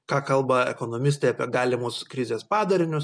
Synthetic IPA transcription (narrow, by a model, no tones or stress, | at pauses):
kɑːkɐlˠbɐɛ̰koːnoːmʲɪst̪ʲɛɪɐpʲiɛɡɑːlʲɪmʊskɾʲɪzʲeːspɑːd̪ɐɾʲɪnʲʊs